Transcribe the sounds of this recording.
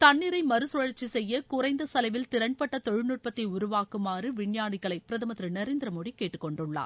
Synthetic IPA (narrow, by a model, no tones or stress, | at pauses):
t̪ɐɳːɪɾɐɪmɐɾɯsɔɻɐɾt͡ʃːisɛjːɐkʊɾɐɪnd̪ɐsɐlɐɪʋɪlt̪ɪɾɐɳpɐʈːɐt̪ɔɻɯnuːʈ̚pɐt̪ːɐɪʊɾʊʋaːkɯmaːrɯʋɪɳjaːɳɪɣɐɭɐɪpːɪɾɐðɐmɐt̪ɾɯnɐɾeːnd̪ɪɾɐmoːɽikːeːʈːɯkːɔɳɖɯɭːa̰ː